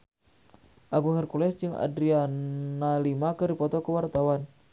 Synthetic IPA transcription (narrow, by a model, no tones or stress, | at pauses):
ʔaɡuŋɛrkulɛsd͡ʒɨŋa̰dɾianalimakɨrdipɔt̪ɔkəwart̪awan